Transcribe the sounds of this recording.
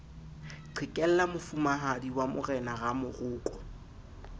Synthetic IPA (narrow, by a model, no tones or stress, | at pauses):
ǃʰwɪkʼɛl̩lamʊfumaɦadiwamʊrɛnaɣamʊrʊːkʼɔ